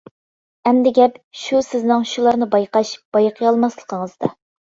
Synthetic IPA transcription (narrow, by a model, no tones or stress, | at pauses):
ɛmd̪ɪɡʲɛpʃusɪznɪŋʃulˠɑɾnɨbɑjqɑʃb̥ɑjqʰəjɑlˠmɑslˠəqʰəŋəzd̪ɑ